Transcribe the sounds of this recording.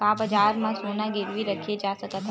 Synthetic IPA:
kaːbɐd͡ʒaːɾmãsoːnaɡɪɾʋiɾɐkʰied͡ʒaːsɐkət̪ɦ

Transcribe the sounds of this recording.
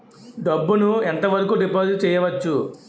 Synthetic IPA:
ɖɐbːunuent̪ɐʋɐɾɐkuɖipoːd͡ʒt͡ʃɛːjɐʋɐt͡ʃːu

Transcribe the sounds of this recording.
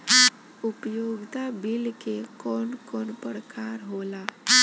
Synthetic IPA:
upjoɡt̪abilkekɔːnkɔːnpəɽkaɾɦola

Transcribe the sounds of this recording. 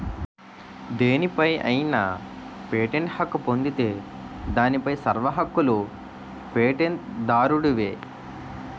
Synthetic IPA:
d̪eːnipɐjɐ̰jna̰ | peːʈeɳʈhɐkːupo̞nd̪it̪e̞ː | d̪aːnipɐjsɐɾʋɐɦɐkːulu | peːʈeɳt̪d̪aːɾuɽuʋeː

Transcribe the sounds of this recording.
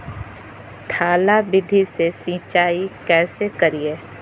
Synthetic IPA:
t̪ʰaːlabɪd̪ʱisesĩːt͡ʃaːikɛːsekɐɾie

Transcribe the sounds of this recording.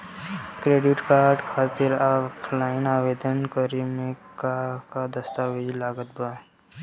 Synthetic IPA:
kɾeːɖɪʈkaːɾɖkʰaːt̪ɪɾaklaːɪnaːʋeːd̪ənkəɾimẽkakad̪əst̪aːʋed͡ʒilaːɡət̪baː

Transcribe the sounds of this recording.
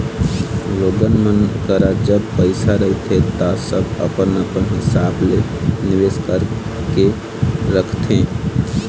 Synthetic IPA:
loːɡənmənkəɾad͡ʒəb̚pəɪsaɾəɦit̪ʰet̪asəbə̰pənəpənɦɪsaːblenɪʋeskəɾke | ɾəkʰt̪ʰẽ

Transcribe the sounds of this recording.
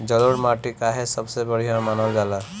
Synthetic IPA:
d͡ʒəluɽmaʈikaɦesəbsebəɽ̤iɦamanɔld͡ʒala

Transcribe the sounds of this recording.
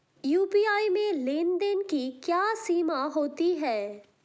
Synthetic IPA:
juːpiːaːimẽleːnd̪ənkikjaːsiːmaɦoːt̪iɦɛː

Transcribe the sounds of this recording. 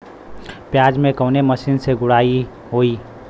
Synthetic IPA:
pjaːd͡ʒmẽkəʊneməsiːnseɡʊɽaːi | ɦoːiː

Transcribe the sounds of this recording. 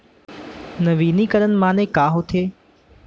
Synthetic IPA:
nɐʋiːnikɐɾənɪ̆mãːnekaːɦoːt̪ʰeː

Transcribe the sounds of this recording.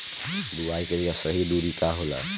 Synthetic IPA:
d̪uajkelijasəɦid̪uɾikaɦola̰

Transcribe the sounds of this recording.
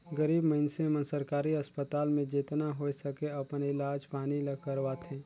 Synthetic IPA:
ɡəɾiːbməɪnsẽmə̃nsəɾkaːɾiɐspət̪aːlmẽd͡ʒeːt̪naɦoːesəkeɐpnɪlaːd͡ʒpaːnilɐkəɾʋaːt̪ʰɛ̃ː

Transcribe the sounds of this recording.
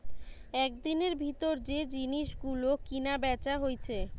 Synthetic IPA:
ɛk̚d̪ineɾbʱit̪oɾd͡ʑed͡ʑiniʃɡulokinabɛt͡ɕaɦojt͡ɕʰe

